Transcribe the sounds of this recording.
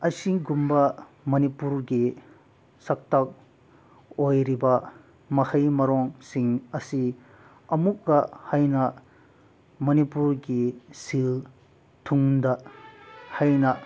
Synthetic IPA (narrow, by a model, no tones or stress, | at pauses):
ɐsiɡumbɐ | mɐnipuɾɡi | sɐk̚tɐk̚ | ojɾibɐ | mɐhɐjmɐɾɔŋsiŋɐsi | ɐmukɡɐhajnɐ | mɐnipuɾɡisil | tʰuŋdɐ | hajnɐ